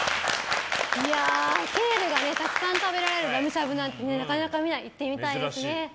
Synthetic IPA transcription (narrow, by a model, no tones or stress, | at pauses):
iake̞ːɾɯ̟ɡane̞t̪akɯ̥sãnt̪abe̞ɾaɾe̞ɾɯ̟ɾamɯ̟ɕabɯ̟nãnt̪e̞ne̞nakanakamʲinait̪ːe̞mʲit̪aid̪esɨne̞